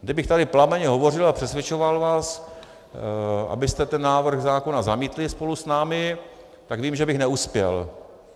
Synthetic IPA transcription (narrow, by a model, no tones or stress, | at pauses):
ɡdɪbɪxt̪adɪplamɛɲɛɦo̞vo̞r̝ɪlapr̝̥ɛsvjɛt͡ʃovalvaːs | ʔa̰bɪst̪ɛt̪ɛnːaːvr̩ɣzaːkonazamiːt̪lɪspo̞lusnaːmɪ | t̪aɡviːmʒɛbɪxnɛuspjɛ̰l